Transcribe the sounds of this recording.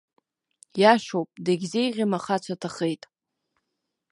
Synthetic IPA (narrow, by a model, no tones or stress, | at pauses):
jaʃowpʼdaɡʲzejʁʲimaχat͡sʷʰatʰaχejtʼ